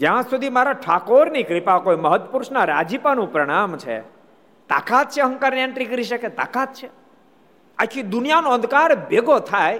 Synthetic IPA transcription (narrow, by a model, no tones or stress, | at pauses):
d͡ʒjãsud̪ʱimaɾaʈʰakoɾnikɾipakojməɦət̪wəpuɾʃnaɾa̰d͡ʒipanũpɾəɽ̃amt͡ʃʰḛ | t̪a̰kat̪̚t͡ʃʰeɦə̃ŋkaɾniə̃ɳʈɾikəɾiʃəket̪a̰kat̪̚t͡ʃʰe | akʰid̪ʊnijanoə̃nd̪kaɾbeɡot̪ʰaj